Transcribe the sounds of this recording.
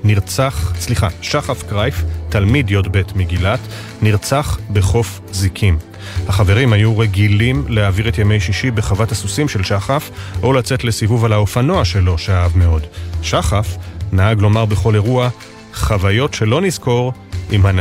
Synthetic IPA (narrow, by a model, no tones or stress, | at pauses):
niʁt͡saχsliχaʃaχafkʁajftalmidjo̞tbe̞tmeɡilat | niʁt͡saχbe̞χo̞f | zikʰim | haχave̞ʁimhajuʁe̞ɡilimleaviʁe̞tjame̞jʃiʃibeχavathasusimʃe̞lʃaχafʔolat͡setle̞sivuvalaofano̞aʃe̞lo̞ʃeaavme̞o̞dʃaχafnaaɡlo̞maʁbe̞χo̞le̞ʁua | χavajo̞tʃe̞lo̞nizko̞ʁʔimhan